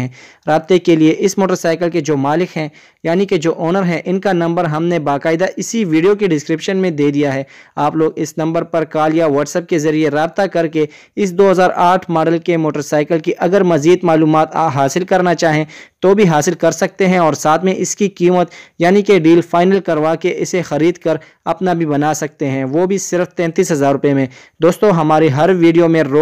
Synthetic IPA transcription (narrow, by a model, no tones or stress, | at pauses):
ɛ̃ː | ɾaːb̚t̪ekelieʔɪsmoːʈəɾsaːɪkəlked͡ʒoːmaːlɪkɦɛ̃ | jaːniked͡ʒoːʔɔːnəɾɦɛ̃ʔɪnkanɐ̃mbəɾɦɐmnebaːkaːɪd̪aʔɪsiʋiːɖijok̬iɖɪskɾɪpʃənmẽd̪eːd̪ijaɦɛːaːploːɡɪsnɐ̃mbəɾpɐɾkaːljaʋɔːʈsɛp̚kezɐɾieɾaːb̚t̪akɐɾke | ɪsd̪oːɦɐzaːɾaːʈʰmaːɖəlkemoːʈəɾsaːɪkəlkiʔɐɡəɾmɐziːd̪maːluːmaːt̪ɦaːsɪlkɐɾnat͡ʃaːɦẽt̪obʱiɦaːsɪlkɐɾsɐk̚t̪eɦɛ̃ɔːɾsaːt̪ʰmẽʔɪskikiːmət̪jaːnikeɖiːlfaːɪnəlkɐɾʋakeʔɪsexɐɾiːd̪kɐɾ | ɐpnabʱibɐnaːsɐk̚t̪eɦɛ̃ʋoːbʱisɪɾft̪ɛ̃ːnt̪iːsɦɐzaːɾːʊpemẽ | d̪oːst̪õɦɐmaːɾeɦɐɾʋiːɖijomẽɾoː